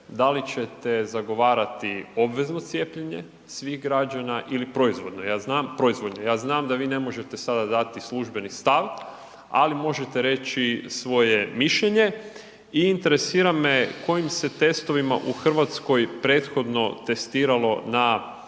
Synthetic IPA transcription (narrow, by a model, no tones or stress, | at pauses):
d̪alit͡ɕe̞t̪e̞zaɡo̞ʋaːɾat̪io̞bʋe̞zno̞t̪sje̞ːpʎeɲe̞̰ | sʋiːɣɡɾad͡ʒanaʔilipɾo̞izʋo̞d̪nojaːznaːmpɾo̞izʋo̞d̪nojaːznaːmd̪aʋiːne̞mo̞ʒe̞t̪esad̪ad̪at̪islˠuʒbe̞nist̪aʋ | a̰limo̞ʒe̞t̪eɾe̞t͡ɕisʋo̞jemiʃʎeɲe̞ | iːnt̪e̞ɾesiːɾameko̞jimse̞t̪e̞st̪o̞ʋima̰ʔuxr̩ʋat̪sko̞jpɾe̞t̪xo̞d̪no̞t̪e̞st̪iːɾalo̞na